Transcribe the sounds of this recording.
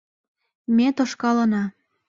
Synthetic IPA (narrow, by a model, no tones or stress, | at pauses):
mʲet̪oʃkɑlɤnɑ